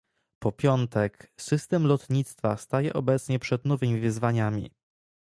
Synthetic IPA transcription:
pɔpʲjɔnt̪ɛksɘst̪ɛmlɔt̪ɲit̪st̪fast̪ajɛ̰ʔɔbɛt̪sɲɛpʂɛd̪nɔvɘmʲivɘzvaɲamʲḭ

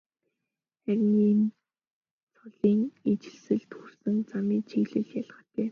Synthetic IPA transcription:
χæɾʲɪ̆ŋːin | t͡sʰɔɮiːŋet͡ɕɪ̆ɮsɘ̆ɮt̪xursɘ̆nt͡samiːt͡ɕʰiɣɮɘ̆ɮjaɮ̆χə̆t̪eː

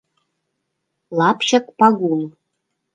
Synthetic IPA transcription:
lˠɑpɕɤ̆kpɑɡul

